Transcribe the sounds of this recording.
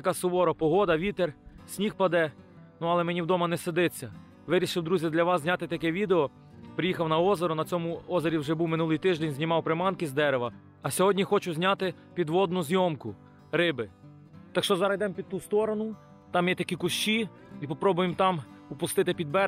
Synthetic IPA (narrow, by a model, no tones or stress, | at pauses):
j̪ɐkɑsʊʋɔɾɔpɔɦɔd̪ɐʋʲit̪ersʲnʲixpɐd̪ɛ | nuɐlˠɛmɛnʲiwd̪ɔmɐnɛsɪd̪ɪt͡sʲːɐ | ʋɪɾʲiʃɪwd̪ɾuzʲid̪lʲɐʋɑs̬zʲnʲat̪ɪt̪ɐkɛʋʲid̪eɔ | pɾʲɪjixɐwnɐɔzeɾʊnɐt͡sʲɔmʊɔzeɾʲiwʒɛbuwmɪnulˠɪjt̪ɪʒd̪ɛnʲzʲnʲimɑwpɾɪmɑnkɪzd̪ɛɾeʋɐː | sʲɔɦɔdʲnʲixɔt͡ʃʊzʲnʲat̪ɪ | pʲid̪ʋɔd̪nʊzʲjɔmkʊ | ɾɪbɪ | t̪ɑkʃt͡ʃɔzɐɾɐjd̪ɛmpʲid̪̚t̪ust̪ɔɾɔnʊ | t̪ɑmjɛt̪ɐkʲikʊʃt͡ʃi | ipɔpɾɔbʊjemt̪ɑmʊpʊst̪ɪt̪ɪpʲid̪̚bɛ